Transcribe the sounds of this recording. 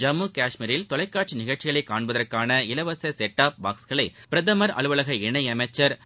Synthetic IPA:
d͡ʒɐmːuːkaːʂmiɾɪlt̪ɔlɐɪkːaːʈ̚t͡ʃɯnɪɣɐɭt͡ʃɪɣɐɭɐɪkːaːɳbɐðɐrkaːnɐɪlɐʋɐsɐsɛʈːaːp̚baːksɣɐɭɐɪpɪɾɐðɐmɐɾɐ̰ɭɯʋɐɭɐɣɐɪɳɐɪɐmɐɪt͡ʃːɐɾ

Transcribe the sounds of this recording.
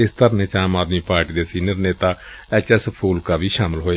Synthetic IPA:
ɪst̪əɾneːt͡ʃaːmaːd̪miːpaːɾʈiːd̪eːsiːnəɾneːt̪aː | ɛːt͡ʃɛːsəpʰuːlkaːʋiːʃaːmɪlɦoːe

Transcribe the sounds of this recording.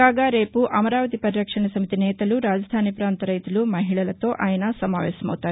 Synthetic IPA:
aːɡɐɾeːpuʔɐmɐɾaːʋɐt̪ipɐɾiɾɐkʂɐɳɐsɐmit̪inɛːt̪ɐluɾaːd͡ʒɐd̪ʱaːnipɾaːnt̪ɐɾɐjt̪ɐlumɐɦiɭɐlɐt̪oːʔaːjɐnasɐma̰ːʋɛ̰ːsɐmɐ̰wut̪aː

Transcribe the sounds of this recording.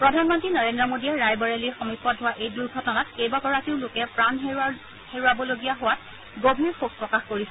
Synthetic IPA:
pɹɔdʱanmɔntɹinɔɹendɹɔmodijɛɹajbɔɹeliɹxɔmipʰːɔt̚ɦʊwaʔejduɹɡʱɔtɔnat̚ejbaɡɔɹakiɹlʊkɛpɹan | heɹʊabɔloɡijaɦʊwat̚ | ɡobʱiɹxuk̚pɹɔkaxkoɹisɛ

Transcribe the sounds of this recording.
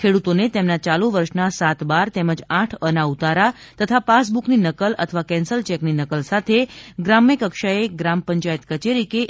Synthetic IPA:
kʰeɽut̪onet̪emnat͡ʃalũʋəɾʃnasat̪baɾt̪ɛməd͡ʒaʈʰənaut̪aɾa | t̪ət̪ʰapas̬bukninəkələ̰t̪ʰəʋakɛ̃nsəlt͡ʃɛkninəkəlsat̪ʰeɡɾamjəkəkʃaeɡɾampəɲt͡ʃajət̪kət͡ʃeɾike

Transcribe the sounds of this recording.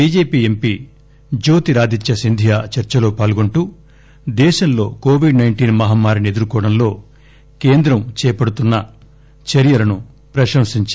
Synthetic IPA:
biːd͡ʒeːpiːempiː | d͡ʒo̞ːt̪iɾaːd̪it͡ʃːɐsind̪ʱijaːt͡ʃɐɾt͡ʃɐlo̞ːpaːlɡuɳʈu | d̪ɛːʃɐmlo̞̰ːkoːʋiɖnɐjɳʈiːnmɐɦaːmːaːɾinie̞d̪uɾukɔːɽɐmlo̞ː | keːnd̪ɾɐmt͡ʃɛːjɐpɐɽut̪unːɐ | t͡ʃɐɾjɐlɐnu | pɾɐʃɐmsiɲt͡ʃ

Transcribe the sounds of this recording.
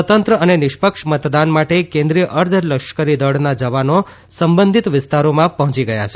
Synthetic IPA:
ət̪ənt̪ɾəənenɪʃpəkʂmət̪d̪anmaʈekẽnd̪ɾijəʔəɾd̪ʱələkʃkəɾid̪əɽnad͡ʒəʋano | səmbənd̪ʱit̪ʋɪst̪aɾomãpəɦɔ̃t͡ʃiɡəja̰t͡ʃʰe

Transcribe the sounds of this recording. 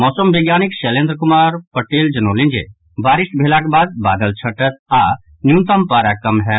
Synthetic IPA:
mɔːsəmʋeːɡjaːnɪkʃɛlẽːnd̪ɾəkʊmaːɾpɐʈeːld͡ʒɐnoːlɪ̃nd͡ʒḛ | baːɾɪʃʈ̚bʱeːlakebaːd̪̚baːd̪əlt͡ʃʰɐʈət̪̚ʰaː | njũːnt̪əmpaːɾakɐmɦɛː

